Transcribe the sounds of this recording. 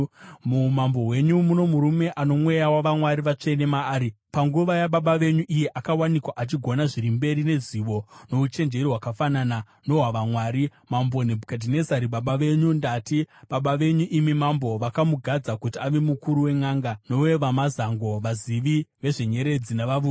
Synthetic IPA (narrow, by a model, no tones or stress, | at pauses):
mumambo̞we̞ɲumuno̞muɾume̞ʔano̞mwe̞jawaʋamwaɾiʋat͡ʂe̞ne̞maːɾi | paŋɡuʋajaɓaɓaʋe̞ɲuʔije̞ʔakawanikwaʔat͡ʃiɡʱo̞naʐiɾimbe̞ɾine̞ziʋo̞no̞ut͡ʃe̞nd͡ʒe̞ɾiwakafanana | no̞ɦaʋamwaːɾimambo̞nebʱukadʱine̞zaɾiɓaɓaʋe̞ɲundatiɓaɓaʋe̞ɲuʔimimambo̞ʋakamuɡʱad͡zakutiaʋemukuɾuwe̞ŋaːŋɡano̞we̞ʋamazaŋɡo̞ʋaziʋiʋe̞ʐe̞ɲe̞ɾe̞d͡zinaʋaʋu